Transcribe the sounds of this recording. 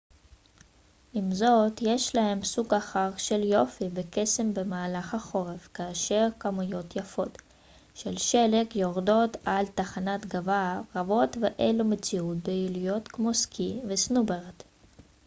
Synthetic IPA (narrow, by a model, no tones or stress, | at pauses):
ʔimzo̞t̪je̞ʃlahe̞msuɡaχaʁʃe̞ljo̞fibeke̞se̞mbe̞maːlaχhaχo̞ʁe̞vkaːʃe̞ʁkamujo̞t̪jafo̞t̪ | ʃelʃelekjoʁdo̞t̪alt̪aχanat̪ɡavaʁavo̞tveʔelumet͡siut̪̚beilijo̞t̪kmo̞skʰivesnubeʁt